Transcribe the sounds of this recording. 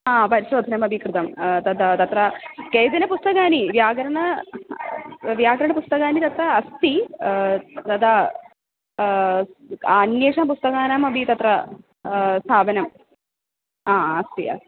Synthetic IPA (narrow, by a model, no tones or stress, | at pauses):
aːpɐɾiʃɾoːd̪ʱɐnɐmɐbʱikɾɨt̪ɐmt̪ɐd̪ɐt̪ɐt̪ɾɐkeːjt̪ɐnɐpust̪ɐkaːniʋjaːɡɐɾɐɳɐ | ʋjaːɡɐɾɐɳɐpust̪ɐkaːnit̪ɐt̪ɾɐːst̪i | t̪ɐd̪ɐ | njeːʂɐnɐp̬ust̪ɐkaːnɐmɐbʱit̪ɐt̪ɾɐ | st̪ʰaːbɐnɐm | aːɐst̪iɐ̰